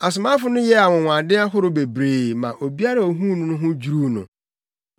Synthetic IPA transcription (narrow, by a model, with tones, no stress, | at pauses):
a˨s̬ʊ˨mã˦fʊ˨˦nʊ̃˦jɛ˦a˨wʊ̃˨w̃ʷã˨dɪ̃˦a˦ɦʊ˦ɾʊ˦be˨bɾeː˨mã˨ʔo˨bi˦a˦ɾa˨o˨ɦũ˦nʊ̃˦nʊ̃˦ɦʊ̃˦d͡ʑu˦ɾu˦nʊ̃˨